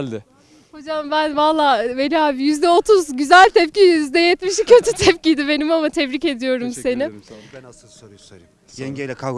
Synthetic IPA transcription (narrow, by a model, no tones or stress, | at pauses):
ho̞d͡ʒambænvalˠːaːvelʲaaːbijyzd̪ɛot̪ʰuzɟyzælʲt̪ʰɛpcijjyzd̪ɛjɛt̪miʃ̬icʰø̞t̪ʰyt̪ʰɛpcid̪ibe̞nimamat̪ʰɛbɾice̞d̪ijo̞ɾumse̞nɪ